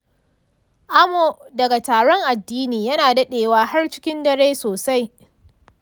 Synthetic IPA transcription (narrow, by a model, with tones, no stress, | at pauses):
ʔa˦mo˨dɐ˨ɡa˨taː˨ɽɔ˦ŋʔa˨dːiː˦niː˨jɐ˦naː˨dɐ˦ɗeː˨waː˦ha˦rt͡ʃɪ˦kʲɪ˦ndɐ˦ɽeː˦soː˨sa˦j